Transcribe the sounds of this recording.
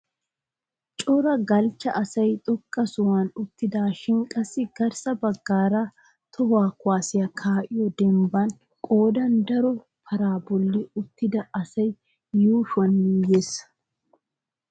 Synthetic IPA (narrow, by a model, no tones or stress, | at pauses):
t͡ʃʼɔɾɐɡɐlt͡ʃːɐʔɐsɐjt̪ʼɔkʼːɐsʊwɐnʊt̪ːɪd̪aːʃɪŋkʼɐsːɪɡɐɾsɐbɐɡːaːɾa | t̪ʰɔhaːkʊwaːsɪjɐkʰaːʔɪjɔd̪ɛmbɐn | kʼoːd̪ɐnd̪ɐɾɔ | fɐɾaːbɔlːɪʊt̪ːɪd̪ɐʔɐsɐj | juːʃwɐnmijeːsːɐ̥